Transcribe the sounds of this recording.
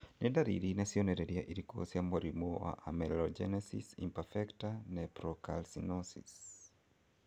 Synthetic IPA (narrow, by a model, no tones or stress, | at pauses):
nɪdaɾḭɾinɛsiɔnɛɾɛɾiaʔiɾiko̰siamoɾimowa̰ʔa̰mɛlɔd͡ʒɛ̰nɛsḭsḭmpɛfɛktanɛpɾɔka̰lsinɔsḭs